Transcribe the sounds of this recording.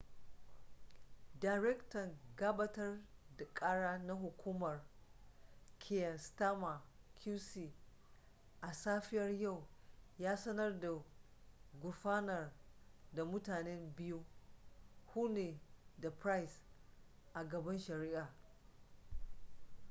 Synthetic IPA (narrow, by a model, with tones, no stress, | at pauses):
daː˨jɾɛ˦ktɐ˨ŋɡaː˦ba˦tɐ˦rda˨kʼaː˦ɽaː˦na˦ɦʊ˨kʷuː˦mɐ˨r | kʰe˦˨jɐ˨nsta˦ma˨kʲʰuː˦si˨ | ʔa˨saː˦ɸɪ˦jɐ˦rja˦˨wjaː˦sɐ˦nɐ˦rda˨ | ɡʷʊ˨ɸaː˦nɐ˨rda˨mʊ˦taː˨nɛ˦mbɪ˦ju˦ | huː˦neː˨da˨pɾa˦js | ʔa˨ɡɐ˨bɐ˦nʃɐ˨ɾiː˦ʔaː˨